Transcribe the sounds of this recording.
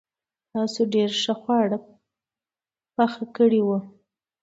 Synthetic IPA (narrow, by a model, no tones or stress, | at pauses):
t̪ɑsoɖeɾʂəxwɑɽə | paxakəɽiwu